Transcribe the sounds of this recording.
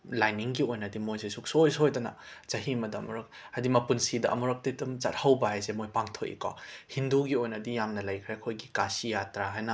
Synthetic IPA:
lajniŋɡiojnɐdimojzesuksojsojdɐnɐzɐɦimɐdɐmuɾɐk̚ | ɐdimɐpunsidɐʔɐ̰muɾɐk̚tetumza̰t̚hawbɐɦajsemojpaŋtʰokḭkɔ̰hinduɡiojnɐdijamnɐlɐjkʰɾekʰojɡikasijatɾaɦajnɐ

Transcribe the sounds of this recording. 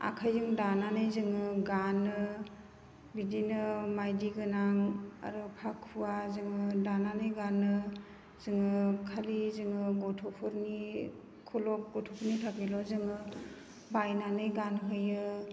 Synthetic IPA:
a̰kʰajzɯŋdananɯjzɯŋɯɡanɯ | bidinɯmajdiɡɯnaŋa̰ɾɯpʰakʰuwazɯŋɯdananɯjɡanːɯ | zɯŋɯkʰalizɯŋɯɡɔtʰɔpʰɯɾni | kʰulɔk̚ɡɔtʰɔpʰuɾnitʰakilɔzɯŋɯ | bajnanɯjɡanɦɯjɯ

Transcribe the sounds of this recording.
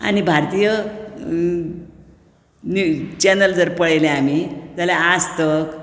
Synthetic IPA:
a̰nibʱaɾt̪ijə | nut͡ɕenəld͡zəɾpəɭejleam̤id͡zalaast̪ək

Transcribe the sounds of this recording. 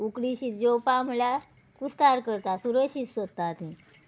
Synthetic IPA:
ukɽiɕiːt̪̚d͡ʑowpamla | kusk̪aɾkəɾt̪asuɾəɕisət̪ːat̪ĩ

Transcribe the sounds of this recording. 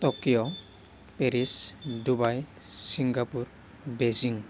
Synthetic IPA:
tɔkijɔ | peɾisdubaj | siŋɡapuɹ | beziŋ

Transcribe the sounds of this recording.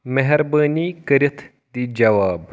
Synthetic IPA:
mɛɦɛɾbaːniːkəɾɐt̪ʰ | d̪iːd͡ʒɐʋaːb

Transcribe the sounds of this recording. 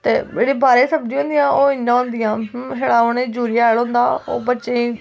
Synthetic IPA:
t̪ḛːd͡ʒeːɽiːbaːɾẽːsəbd͡ʒĩːõːnd̪ɪjãːʔoːɪɲːãːɦʊ̃nd̪ɪjãːɦeːɽaːʊnẽːd͡ʒuːɾijaːɛːlɦõːnd̪aːo̰ːbətːʃẽːiː

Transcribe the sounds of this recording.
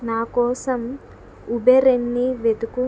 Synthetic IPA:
naːkɔːsɐm | ubeɾenːiʋed̪uku

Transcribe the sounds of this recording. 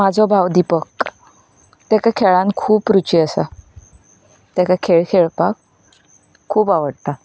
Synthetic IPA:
mad͡zʱɔbʱawd̪ipək | t̪akakʰeɭãnkʰuːpːɾut͡ɕiəsa̰ | t̪jakakʰeɭkʰeɭpakʰː | uːpaʋəɽt̪a

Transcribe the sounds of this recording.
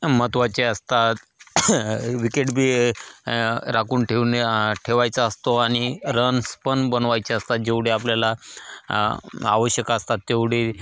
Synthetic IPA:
mət̪ʋat͡ɕeəst̪at̪ | ʋikeʈbʱi | ɾakuːɳʈʰenʈʰeʋajt͡saəst̪oaɽ̃iɾənspənbənʋajt͡ɕeəst̪at̪̚d͡ʑeʋɽeapljala | a̰ʋəɕjəkaəst̪at̪ːeʋɽ̤e

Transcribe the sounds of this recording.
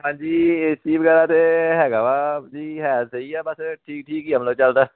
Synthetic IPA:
ɦãːɲd͡ʒiːiːbɡɛːɾãːt̪eːɦɛːɡaːbaːd͡ʒiːɦɛːt̪səiːɛːbəsʈʰiːk̚ʈʰiːkiːə̃mloːt͡ʃəld̪aː

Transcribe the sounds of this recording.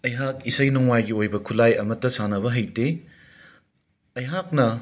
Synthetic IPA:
ɐjɦak̚isɐjnɔŋwajɡiojbɐkʰulajɐmɐtːɐsanɐβɐɦɐjte | ɐjɦak̚nɐ

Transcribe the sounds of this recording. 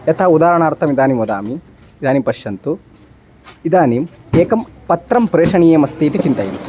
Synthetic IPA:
jɐt̪ʰaːud̪aːɾɐɳaːɾt̪ʰɐmid̪aːnimʋɐd̪a̰ːmiː | d̪aːnimpɐʃjɐnt̪u | id̪aːnimeːkɐmpɐt̪ɾɐmpɾeːʂɐɳijeːmɐst̪iːt̪it͡ʃint̪ɐjḭnt̪u̥

